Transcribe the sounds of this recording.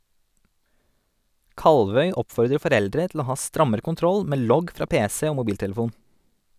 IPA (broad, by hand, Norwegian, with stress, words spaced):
ˈkɑlʋœʏ ˈɔpfɔɾdɾə fɔˈɾɛldɾɛ tl̩ ˈoː ˈhɑː ˈstɾɑməɾə kʊnˈtɾɔl ˈmeː ˈlɔɡ ˈfɾɑː ˈpeːsɛ ˈoː mʊˈbiːltɛləˌfuːn